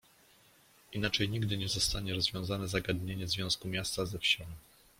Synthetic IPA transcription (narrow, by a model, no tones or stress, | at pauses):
inat͡ʂɛjɲiɡd̪ɘɲɛzɔst̪aɲɛɾɔzvʲjɔ̃w̃zanɛzaɡad̪ɲeɲɛvzvʲjɔ̃w̃skumʲjast̪azɛfɕɛɲi